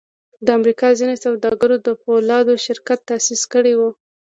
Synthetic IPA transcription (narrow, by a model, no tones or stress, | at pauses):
d̪əamɾikɑzinesawd̪ɑɡaɾod̪əpolɑd̪oʃɪɾkat̪ːasiskəɽewu